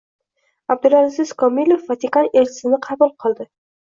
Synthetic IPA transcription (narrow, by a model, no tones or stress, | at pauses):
ab̚d̪ʊɾanzɪskɒmilʲofːat̪ikaneɾt͡ʃʰɪ̥sɪnɪqʰɑbʊlˠqʰɨlˠd̪ɪ